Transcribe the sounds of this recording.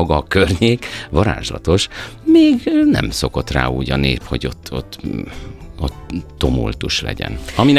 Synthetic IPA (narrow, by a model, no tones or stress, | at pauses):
ɡɒkørɲeːkʋɒɾa̰ːʒlɒt̪o̞ʃmeːɡnɛ̰mso̞ko̞t̪ra̰ːuːɟɒneːpho̞ɟo̞t̪ːot̪ː | ot̪ːo̞mult̪uʃlɛ̰ɟɛ̰nɒmin